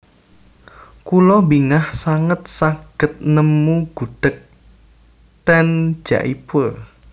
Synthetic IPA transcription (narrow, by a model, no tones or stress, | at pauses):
kulɔbiŋahsaŋət̪̚saɡ̥ət̪̚nəmuɡ̥uɖ̥ə̤k̚ | t̪ɛn̥d͡ʒ̥a̰ʔipʊr